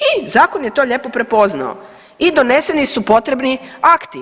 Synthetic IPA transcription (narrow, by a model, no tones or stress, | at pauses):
izaːkonje̞t̪o̞ʎe̞po̞pɾe̞po̞zna̰o̰ | id̪one̞se̞nisupo̞t̪ɾe̞bniakt̪i